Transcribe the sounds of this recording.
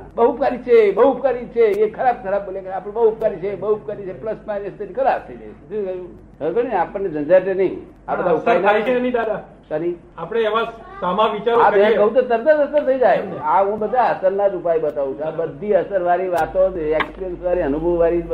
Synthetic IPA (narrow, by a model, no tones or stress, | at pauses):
bəɦupkaɾit͡ʃʰebəɦuːpkaɾit͡ʃʰeekʰəɾab̚kʰəɾab̚boljekəɾapəɽ̃bəɦuup̚kaɾit͡ʃʰebəup̚kaɾit͡ʃʰepləspajnest̪ənikʰəɾapt̪ʰəid͡ʒa̰jt͡ʃʰet̪ekəjũ | əkəɽ̃inapəɳːed͡ʒə̃nd͡ʒat͡ʃʰenəĩ | abədd̪ʱaupaɾinaieənid̪ad̪a | kəni | apɽ̃eːʋasamãʋit͡ʃaɾaəjãkəɦũt̪̬ot̪əɾd̪əsəsəɾt̪ʰəid͡ʒajaɦũbəd̪ʱːaəsəɾnad͡ʒupajbət̪aʋũt͡ʃʰabəd̪ʱːiəsəɾʋaɾiʋat̪õd͡ʒeksiənsʋaɾiənubʱəʋːaɾi